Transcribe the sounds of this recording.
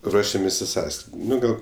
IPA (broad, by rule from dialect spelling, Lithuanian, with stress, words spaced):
ˈruɔʃʲɛmʲeːsʲ ɪ ˈsɑːskrʲɪtʲ ˈnʊ ˈɡɐlˠ